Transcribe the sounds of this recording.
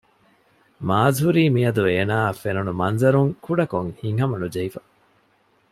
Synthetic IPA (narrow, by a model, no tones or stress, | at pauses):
maːzɦuɾiːmiɐd̪ueːnaːfenunumɐnzɐɾuŋkuɖɐkoŋhiŋɦɐmɐnud͡ʒɐifɐ